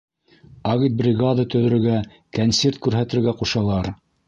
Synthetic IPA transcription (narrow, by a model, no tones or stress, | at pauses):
ɑɣit̪̚brʲɪɡad̪at̪ɵ̆ðɵ̆ɾɵ̆ɡæ | kɐnsʲert̪̚kʉɾɦæt̪ɘ̆ɾɡæquʃɑlˠɑɾ